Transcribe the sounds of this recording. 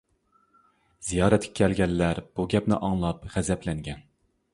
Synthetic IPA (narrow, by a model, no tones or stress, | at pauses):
z̥ijɑːɾɛt̪ʲkʲʰɛ̥kʲʰɛlɡʲɛlːæɾb̥uɡʲɛpnɪ̰ʔɑŋlˠɑpʁɛzɛpʰlɛŋɡʲɛn